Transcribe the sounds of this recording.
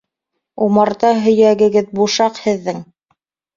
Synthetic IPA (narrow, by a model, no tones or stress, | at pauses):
umɑɾt̪ɑɦɵ̆jæɡɘ̆ɡɘðbuʃɑqhɘ̆ðːɘŋ